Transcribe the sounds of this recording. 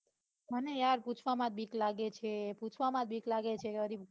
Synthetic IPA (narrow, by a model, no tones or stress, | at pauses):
mənejaɾput͡ʃʰʋamãt̪̚bʱiklaɡet͡ʃʰeput͡ʃʰʋamãt̪̚bʱiklaɡet͡ʃʰeɡəɾib